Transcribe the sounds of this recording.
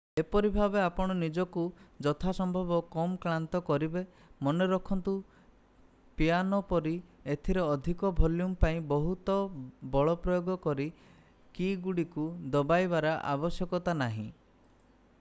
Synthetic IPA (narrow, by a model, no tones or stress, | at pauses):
epɔɾibʱabeapɔɽ̃ɔnid͡ʒɔkud͡ʒɔt̪ʰasɔmbʱɔbɔkɔmkɾant̪ɔkɔɾibe | mɔneɾɔkʰɔnt̪u | pianɔpɔɾiet̪ʰiɾeɔd̪ʱikɔbʱoljumpaĩbɔɦut̪ɔbɔɭɔpɾɔjoɡɔkɔɾi | kiɡuɽikud̪ɔbajbaɾaʔa̰bɔsjɔkɔt̪anaɦḭ̃